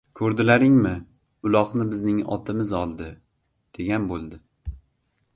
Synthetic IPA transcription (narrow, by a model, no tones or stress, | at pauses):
kʰɵɾd̪ɪlaɾɪŋmɪ | ʊlˠɒqnɪbɪznɪŋɒ̰t̪ʰɪmɪzɒlˠd̪ɪ | d̪̥e̞ɡʲanbolˠd̪ɪ